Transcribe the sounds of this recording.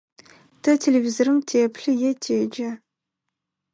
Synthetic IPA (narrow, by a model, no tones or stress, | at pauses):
tʰɐtʰelevizorɨmtʰeːpʰɬɨjɛtʰeːd͡ʒɐ